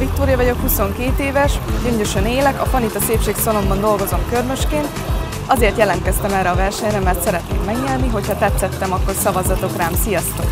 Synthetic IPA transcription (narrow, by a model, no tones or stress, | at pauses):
vik̚t̪oːɾijɒvɒɟo̞khuso̞ŋkeːt̪eːvɛʃɟøɲdøʃøneːlɛkɒfɒnit̪ɒseːpʃeːksolo̞mbɒnd̪o̞lɡo̞zo̞mkørmø̞ʃkeːnt̪ | ɒzeːrt̪jɛlɛnt̪kɛst̪ɛmɛrɛɒvɛrʃɛɲrɛmɛrt̪sɛɾɛt̪neːmɛɡɲɛlniɦo̞chɒt̪ɛt̪sːɛt̪ːɛmɒkːo̞rsɒvɒzɒt̪o̞kraːmsijɒst̪ok